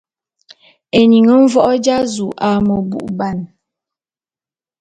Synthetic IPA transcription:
e˨ni˨ŋə˦ɱ̩˦vɔ˦ʔɔ˦d͡ʒa˦zu˨ʔa˨mo˨bṵ˨ʔba˦˨n

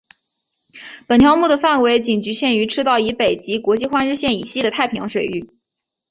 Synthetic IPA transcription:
pə˨˩nt̪ʰjɑ˥ʊmu˥˩d̪ə˩fa˥˩nwe˧˥ɪt͡ɕi˨˩ŋt͡ɕy˧˥ɕjɛ˥˩ny˧˥ʈ͡ʂʰɻ̩˥t̪ɑ˥˩ʊi˧˥pe˨˩ɪt͡ɕi˧˥kwɔ˧˥t͡ɕi˥˧xwa˥nɻ̩˥˧ɕjɛ˥˩ni˨˩ɕi˥˩d̪ə˩t̪ʰa˥˩ɪpʰi˧˥ŋʂwe˨˩ɪy˥˩

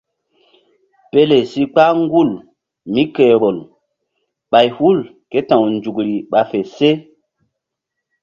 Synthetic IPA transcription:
pe˦le˨si˦k͡pa˦ŋɡu˦˨l | mi˦ke˨ɓo˨l | ɓa˨jhu˦˨l | ke˦tã˨wnd͡ʒu˨kɾi˨ɓa˨fe˨se˦

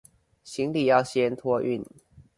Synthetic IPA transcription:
ɕi˨˦ŋli˨˩jɑ˥˨ʊɕjɛ˦nt̪ʰwɔ˥ʔy̰˥˨n

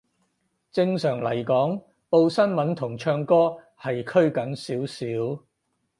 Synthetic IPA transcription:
t͡sɪ˧ŋsœː˨˩ŋlɐ̰˨˩jkɔː˨˥ŋ | po˧wsɐ˥nmɐ˨˥nt̪ʰʊ˨˩ŋt͡ʃʰœː˧ŋkɔː˥ | hɐ˨jkʰɵ˥ɥkɐ˨˥nsiː˨˥wsiː˨˥w

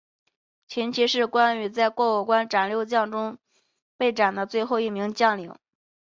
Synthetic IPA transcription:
t͡ɕʰi˧˥nt͡ɕʰi˧˥ʂɻ̩˥˩kwa˥ny˧˥t͡sa˥˧ɪkwɔ˥˧u˨˩kwa˥nʈ͡ʂa˨˩nljo˥˧ʊt͡ɕjɑ˥˩ŋʈ͡ʂʊ˥ŋ | pe˥˩ɪʈ͡ʂa˨˩nd̪ə˦t͡swe˥˧ɪxo˥˧ʊi˥˩mi˧˥ŋt͡ɕjɑ˥˩ŋli˧˥˦ŋ

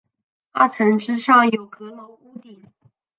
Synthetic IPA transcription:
a˥˩ʈ͡ʂʰə˧˥ŋʈ͡ʂɻ̩˥ʂɑ˥˩ŋjo˨˩ʊkɤ˧˥lo˧˥ʊu˥t̪i˨˩˦ŋ

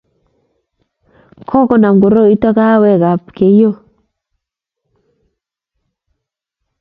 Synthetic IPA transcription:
kʰɔ˦kɔ˨na˨mɡo˨ɾo˦i˦ta˦ka˦wɛ˦˨ɡa˨pke˨jo˦˨

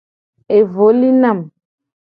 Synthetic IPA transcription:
e˨vo˨˦li˦na˦˨m

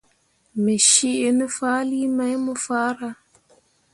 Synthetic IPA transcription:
me˨ʃi˦ʔe˨nə˦fa˦li˦ma˦jmu˦faː˦ɾa˦

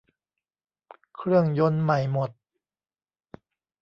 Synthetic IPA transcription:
kʰɾɯ˥˩əŋjo˧˥nma˨˩jmo˨˩t̪̚

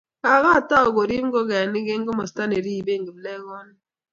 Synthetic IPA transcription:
ka˨ɣa˦˨ta˦o˨ɡo˨ɾi˦m˦ɡɔ˦ɡɛ˨ni˦ɡe˦ŋ˦ɡɔ˦mɔ˨sta˦ne˨ɾi˦˨be˦˨ŋɡi˨blɛ˦ɣɔ˦n˦

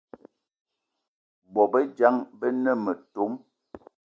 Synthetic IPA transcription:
bɔ˨bə˦d͡ʒa˦ŋbə˦nə˦˨mə˨to˨˦m

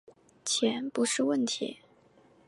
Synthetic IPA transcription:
t͡ɕʰjɛ˧˥npu˧˥ʂɻ̩˥˧wə˥˩nt̪ʰḭ˧˥

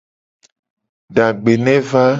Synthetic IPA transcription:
ɖa˨ɡ͡be˨nɛ̃˦va˦

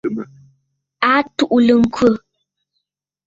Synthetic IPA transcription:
a˨˦tu˦ʔlə˨ŋ̩˨kʰwə˦˨

